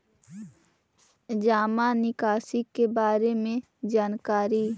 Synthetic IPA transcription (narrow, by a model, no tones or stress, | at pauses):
d͡ʒaːmanɪkaːsikebaːɾemẽ | d͡ʒaːnkaːɾiː